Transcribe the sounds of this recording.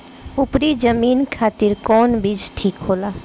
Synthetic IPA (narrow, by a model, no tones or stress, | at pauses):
ʊpɾid͡ʒəmiːnkʰaːt̪ɪɾkɔːnbid͡ʒʈʰiːkɦoːlaː